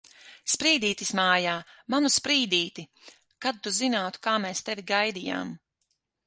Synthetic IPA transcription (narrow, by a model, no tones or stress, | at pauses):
spɾiːd̪iːt̪ismaːjaːmanuspɾiːd̪iːt̪i | kad̪̚t̪uzinaːt̪u̥kaːmɛːst̪ɛvʲiɡajd̪ija̰ːm